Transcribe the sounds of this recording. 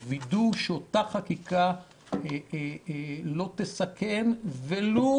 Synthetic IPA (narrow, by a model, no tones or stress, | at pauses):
viduʃeot̪aχakika | lo̞t̪esakenvelo